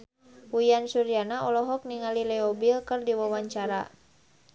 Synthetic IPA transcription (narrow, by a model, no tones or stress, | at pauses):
wujansuɾjanaɔlɔɦɔk̚niŋalilɛɔbilkɨrdiwawaɲt͡ʃaɾa